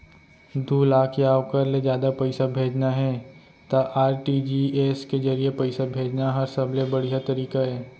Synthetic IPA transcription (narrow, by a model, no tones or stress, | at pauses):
d̪ʱuːlaːkʰeaːʋkɐɾled͡ʒjaːd̪apɐɪsabʱeːd͡ʒnaɦɛː | t̪aʔaːɾʈiːd͡ʒieːskezɐɾijepɐɪsabʱeːd͡ʒnaɦɐɾsɐblebɐɽiɦat̪ɐɾiːkaɦɛː